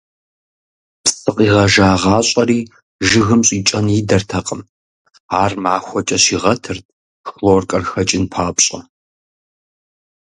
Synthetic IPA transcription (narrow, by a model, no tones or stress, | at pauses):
psɨqʼiːʁɐʒaːʁɑːɕʼɐriː | ʒɨɣɨmɕʼiːt͡ʃʼɐnidɐrtʰɐqʼəm | aːrmaːxʷɔt͡ʃʼɐɕiːʁɐtʰɨrt̚ʰʼ | xloːrkʼɐrxɐt͡ʃʼɪnpʰaːpɕʼɐ